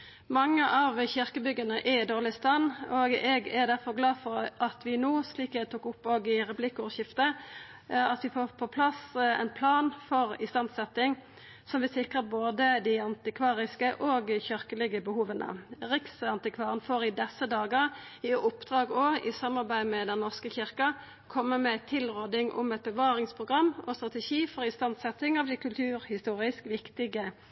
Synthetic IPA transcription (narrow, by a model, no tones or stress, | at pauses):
mɑŋːəʔɑːʋçʏʁkəbʏɡənəʔɛɪd̪oːʁlɪst̪ɑnːoɡɛɡæd̪æɾfɔʁɡlɑːfɔɾʔɑt̪ʰʋɪnuːsliːkɛt̪uːkʊpːoːɡɪʁɛplɪkːʊɕɪft̪ə | ɑt̪ʋɪfoːʁpʰɔpʰlɑsɛ̰ɪnpʰlɑːnfɔɾɪst̪ɑnsɛt̪ɪŋ | sɔmʋɪsɪkʁəɾboːd̪əd̪ɪɑnt̪ɪkʰʋɑːʁɪskəʔoːɡçœɾkəlɪɡəbəhuːʋənʔə̰ʁɪksɑnt̪ɪkʰʋɑːʁənfoːɾɪd̪ɛsːəd̪ɑːɡəɾɪʊpd̪ʁɑːɡɔɪsɑmːɑʁbæɪmɛd̪ɛnːɔʁskəçɪɾkɑ | kʰɔmːəmɛt̪ʰɪlʁoːd̪ɪŋʔʊ̰mɛt̪̚bəʋɑːɾɪŋspʰʁʊɡʁɑmːɔst̪ɾɑt̪ɛʃiːfɔɾɪst̪ɑnsɛt̪ɪŋɑʋd̪ɪkʉlt̪ʰʉːɾhɪst̪uːɾɪskʋɪkt̪ɪɡə